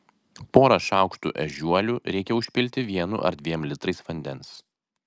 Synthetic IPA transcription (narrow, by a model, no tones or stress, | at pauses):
poːɾɐʃɑˑʊkʃt̪ṵːʔɛ̰ʒʲuɔlʲuɾʲɛɪkʲɛʊʃʲpʲɪlʲt̪ʲɪʋʲiɛnʊ̰ʔɐ̰ɾd̪ʲʋʲiɛmlʲɪt̪ɾɐɪsʋɐnʲd̪ʲɛns